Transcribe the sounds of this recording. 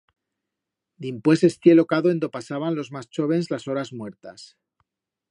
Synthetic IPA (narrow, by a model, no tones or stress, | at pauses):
d̪impwe̞se̞st̪je̞lo̞kaðoe̞nd̪o̞pasaβanlo̞zmast͡ʃo̞βe̞nzlaso̞ɾazmwe̞ɾt̪as